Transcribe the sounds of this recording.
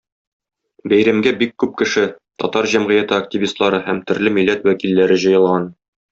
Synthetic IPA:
bæjɾæmɡæbikːʉp̚kɘ̆ʃɘt̪ɒ̰t̪ɑɾʑæmʁɘ̆jæt̪ɘɐk̚tʲivʲist̪lˠɑɾɤhæmt̪ɵ̆ɾlɘmilːæt̪wækilːæɾɘʑɤ̆jɤ̆lˠʁɑn

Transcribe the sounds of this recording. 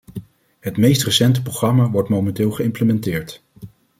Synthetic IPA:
ɦətmejstrəsɛntə̥proχrɑmaʋɔɹtmowmɛntɪːlˠχəɪmpləmɛntɪːɹt

